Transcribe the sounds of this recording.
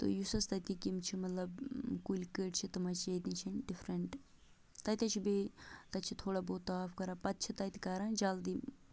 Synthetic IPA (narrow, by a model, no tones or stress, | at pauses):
t̪o̰jusɐst̪ɐt̪ikimt͡ʃʰimɐt̪lɐbkulʲkeːʈt͡ʃʰit̪ɐmɐt͡ʃɐt̪int͡ʃʰɐnɖifʰɾɐɳʈ | t̪ɐt̪ʲɐt͡ʃʰibet̪ɐt͡ʃʰit̪ʰoːɽaboːt̪ːɐaːfkɐɾapɐt̪t͡ʃʰit̪ɐt̪i̥kaːɾɐnd͡ʒaːld̪i